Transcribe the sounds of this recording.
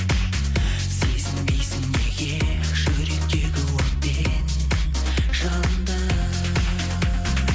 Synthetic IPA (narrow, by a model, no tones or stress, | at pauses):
sezɪŋbejsɪŋneɡʲe | ʒ̥ɵɾek̚k̪ʲeɡʲɪwoɾt̪̚pe | n | ʒɑnnd̪ə